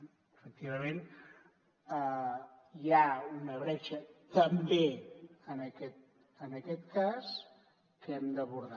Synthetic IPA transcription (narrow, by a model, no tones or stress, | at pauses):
əfək̚t̪iβəmen | ə | jaunəβɾɛt͡ʃət̪əmbeənəkɛt̪̚ | ənəkɛt̪kas | kəɛmd̪əβuɾða